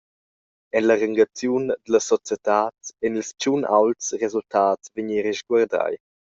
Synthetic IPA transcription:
ɛnlaɾəŋɡat͡sjund̪ələsɔt͡sjɛtaːtɛnilst͡ʃunʔa̰wltsrezultaːtt͡sveɲiɾɛʃɡwaɾda̰j

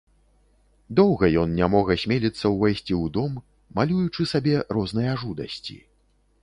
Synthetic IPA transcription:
d̪ɔwɣɐjɔnnʲamɔɣɐsʲmʲelʲit̪sːɐwvajsʲt͡sʲiwd̪ɔmː | alʲujut͡ʂɨsabʲɛɾɔznɐjɐaʐud̪ɐ̰sʲt͡sʲḭ

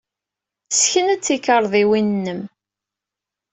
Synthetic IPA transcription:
sçənæt͡sːikəɾˤðˤiwinnːəm

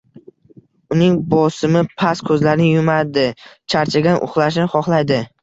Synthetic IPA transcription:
ʊnɪŋbɒsɪmɪpʰaskʰɵzlaɾɪnɪjʊmad̪ɪt͡ʃʰaɾt͡ʃʰaɡʲanʔʊ̰χlˠaʃ̬nɪχɒχlˠajd̪ɪ

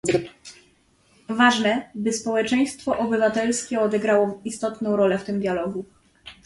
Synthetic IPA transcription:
vaʐnɛbɘspɔwɛt͡ʂɛj̃st̪fɔʔɔbɘvat̪ɛlskʲɛɔd̪ɛɡɾawɔist̪ɔt̪nɔ̃w̃ɾɔlɛft̪ɘmd̪ʲjalɔɡu

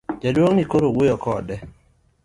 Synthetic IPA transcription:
d͡ʒadwoŋnikoɾowujɔkɔdɛ

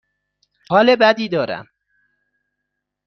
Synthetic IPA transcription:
hɒːlebæd̪iːd̪ɒːɾæ̰m

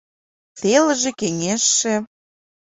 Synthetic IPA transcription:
θelə̆ʒĕkeŋʲeʃːĕ

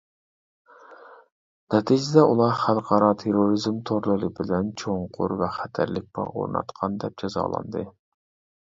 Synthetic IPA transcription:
nɛt̪ʰid͡ʒɪd̪ɛʔulˠɑɾχælˠqʰɑɾɑt̪ʰeɾoɾizmt̪ʰoɾlˠɨlɨbɪlɛnt͡ʃʰoŋqʰʊ̰ɾvɛχæt̪ʰæɾlɪk̚ʲb̥ɑ̰ʔo̰ɾnɑ̰t̪qʰɑnd̪ɛp̚d͡ʒɑzɑ̰ːlˠɑ̰nd̪ɨ

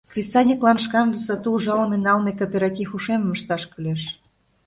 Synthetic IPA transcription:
krʲisɑnʲiklɑnʃkɑmd̪əsɤt̪uːʒɑlɤmenɑlmekopʲeɾɑkixuʃemə̆məʃt̪ɑʃkyleʃ

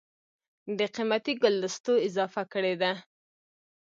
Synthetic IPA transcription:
d̪əqimat̪iɡʊlːəst̪oɪzɑfakəɽed̪a

